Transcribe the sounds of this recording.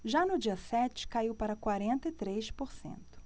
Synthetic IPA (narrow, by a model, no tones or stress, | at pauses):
ʒanʊd͡ʒiɐsɛt͡ʃɪ̥kaiwpaɾɐkwaɾẽnt̪ɐɪt̪ɾejʃpoɾsḛ̃nt̪ʊ̥